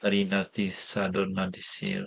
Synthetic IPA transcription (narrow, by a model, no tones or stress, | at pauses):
aɾinat̪isadoɾnadisḭɾ